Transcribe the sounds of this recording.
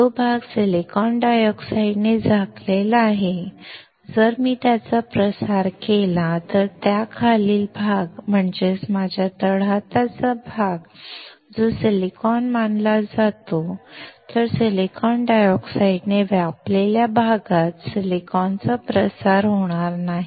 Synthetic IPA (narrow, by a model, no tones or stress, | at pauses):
t̪obʱaɡselikɔnɖajɔksaiɖned͡zʱaklelaːɦe | d͡zəɾmiːt̪jat͡sapɾəsaɾkelat̪əɾt̪jakʰaliːlbʱaɡm̤əɳd͡zesmad͡ʑʱjat̪əɽ̤at̪at͡sabʱaɡ | d͡zosilikɔnmanlad͡zat̪ot̪əɾselikɔnɖajɔksaiɖneʋjapleljabʱaɡat̪silikɔnt͡səpɾəsaɾɦoɽ̃aɾnaɦi